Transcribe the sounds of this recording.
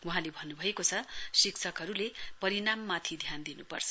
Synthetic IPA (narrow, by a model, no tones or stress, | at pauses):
wuɦãlebʱʌnːubʱʌekot͡sʰʌsiksʰʌkɦʌɾulepʌɾinamːat̪ʰid̪ʱjand̪inṵpʌ̰rt͡sʰʌ